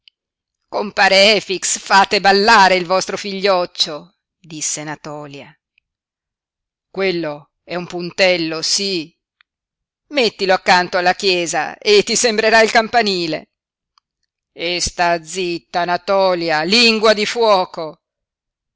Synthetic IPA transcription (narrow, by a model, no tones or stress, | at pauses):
kompaːɾeɛːfiksfaːt̪ebalːaːɾeilvɔst̪ɾofiʎːɔt͡ʃːo | d̪isːenat̪ɔːlja | kwelːo | ɛumpunt̪ɛlːosi | met̪ːiloakːant̪oalːakjɛːza̰et̪ːisembɾeɾailkampaniːlḛ | est̪ad̪zit̪ːanat̪ɔːljaliŋɡwad̪ifwɔːko